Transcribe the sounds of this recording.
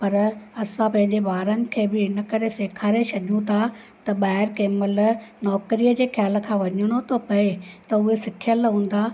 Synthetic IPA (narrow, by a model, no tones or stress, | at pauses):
pɐɾɐsãpɐ̃ɦɪ̃ɲ̆d͡ʑeʋaːɾənɪ̆kʰeːbɪɪnəkɐɾeseːkʰaːɾesɐʄũt̪ʰa | t̪ɐɓaːɦɪɾkeːməlnɔːkɾijəd͡ʑeːxjaːlə̆kʰãːʋɐɲəɽ̃ot̪ʰopɐet̪ɐʊɦesɪkʰijəlɦũːn̆d̪aː